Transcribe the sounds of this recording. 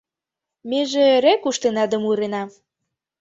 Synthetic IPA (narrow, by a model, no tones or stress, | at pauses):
meʒeɾekuʃt̪enɑd̪ə̆muɾenɑ